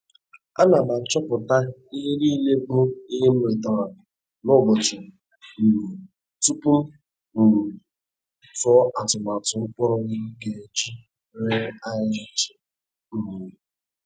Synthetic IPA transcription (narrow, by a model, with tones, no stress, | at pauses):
a˦na˨ma˨t͡ʃɔ˦pʊ˨ta˦i˦ɾi˦le˦bʊ˦i˦ɦe˦m̩˦ɾe˨tɔ˦ɾa˨ | nʊ˦˨bɔ˨t͡ʃi˨ | m̩˨ | tu˦pu˦m̩˦˨ | fɔ˦ʔa˨tʊ˨ma˨tʊ˨˦ʊ˦k͡pʷɔ˦ɾʊ˦ɡɪ˦ke˦t͡ʃi˦ | ɾe˦a˦ɪ˦i˦t͡ʃi̥˨ | m̩˦m˨e˨